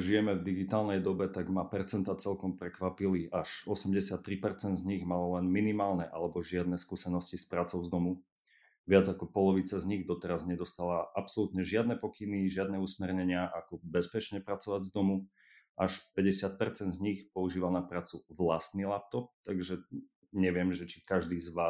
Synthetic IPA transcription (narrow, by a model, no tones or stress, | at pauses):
ʒijɛmɛvd̪iɡit̪aːlnɛjd̪ɔbɛt̪aɡmapɛɾt͡sɛnt̪at͡sɛlkɔmpɾɛkʋapiliʔaʃɔsɛmɟɛsɪat̪ːɾipɛɾt͡sɛnd̪zɲiɣmalɔlɛnminimaːlnɛʔalɛbɔʒɪad̪nɛskuːsɛnɔscispɾaːt͡sɔʊzd̪ɔmu | ʋɪad͡zakɔpɔlɔʋit͡sazɲiɣd̪ɔt̪ɛɾazɲɛd̪ɔst̪alaʔapsɔlut̪ɲɛʒɪad̪nɛpɔkiniʒɪad̪nɛusmɛɾɲɛɲɪaʔakɔbɛspɛt͡ʃɲɛpɾat͡sɔʋaɟzd̪ɔmu | ʔaʃpɛɟɛsɪat̪̚pɛɾt͡sɛnd̪zɲixpɔuʒiːʋalnapɾaːt͡suʋlast̪nilap̚t̪ɔp̚t̪aɡʒɛ | ɲɛʋɪɛmʒɛt͡ʃi̥kaʒd̪iːzʋaː